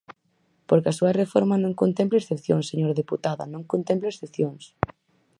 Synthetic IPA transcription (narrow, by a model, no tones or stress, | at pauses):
poɾkɐasuɐrefoɾmanõŋkont̪emp̬lesθepθjoŋseɲoɾðeput̪aðɐ̰nõŋkont̪ẽmpleesθepθjoŋs